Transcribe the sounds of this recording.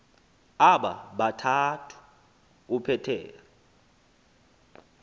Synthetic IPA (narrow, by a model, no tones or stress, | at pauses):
aɓaɓatʰatʰu̥ | upʰɛtʰɛ̰ːlɔ